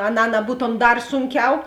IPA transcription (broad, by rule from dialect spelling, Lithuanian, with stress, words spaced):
ɐˈnɑː nɐˈbuːtoːm ˈdɐr ˈsʊŋʲˌkʲɛʊ